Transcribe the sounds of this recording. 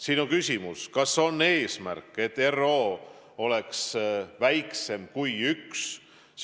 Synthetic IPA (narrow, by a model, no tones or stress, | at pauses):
sinukysʲimuskɑso̞nːe̞ːsmæ̰rkːˑe̞t̪ːe̞ro̞ː | o̞leksvæjkse̞mkujyks